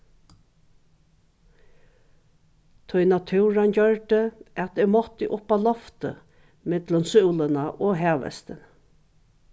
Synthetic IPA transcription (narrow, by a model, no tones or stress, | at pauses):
t̪ʰʊjnat̪ʰʉːɾand͡ʑœɹt̪əat̪ɪɾmɔt̪ːiʔʊpalɔft̪ə̰ | mɪt̪lənsʉwlənaʔoɦæːʋə̰st̪ən